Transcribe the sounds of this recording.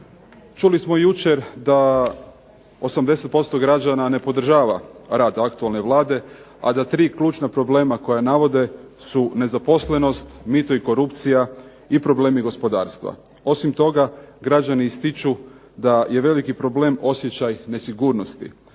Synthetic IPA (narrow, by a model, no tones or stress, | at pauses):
t͡ʃulismojut͡ʃe̞ɾd̪a | o̞samd̪e̞se̞t̪̚po̞st̪o̞ɡɾad͡ʒanane̞po̞d̪r̩ʒaːʋaɾaːd̪akt̪ualne̞ʋlˠaːd̪e̞ | a̰d̪at̪ɾiːklʲˠuːt͡ʃnapɾo̞ble̞ːmako̞janaʋo̞d̪e̞sune̞zapo̞sle̞no̞st̪mit̪oiko̞ɾupt̪sija | ipɾo̞ble̞ːmiɡo̞spo̞d̪a̰ːɾst̪ʋa̰ | o̞simt̪o̞ɡaɡɾad͡ʒaniist̪it͡ʃu | d̪aje̞ʋe̞likipɾo̞ble̞ːmo̞sje̞t͡ɕajne̞siɡuːɾno̞st̪ḭ